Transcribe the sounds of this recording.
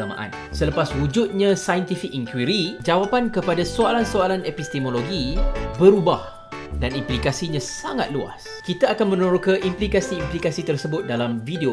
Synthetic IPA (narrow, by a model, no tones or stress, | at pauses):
amã̰ʔa̰n | sələpaswud͡ʒut̪̚ɲãsajənt̪ifikiŋkwiɾid͡ʒawapankəpadasoalansoalanepist̪imoloɡibəɾubah | danimplikasiɲãsaŋa̰t̪̚lua̰s | kit̪aakanmə̃noɾokaʔimplikasiːmplikasit̪ərsəbʊt̪̚dalamfidio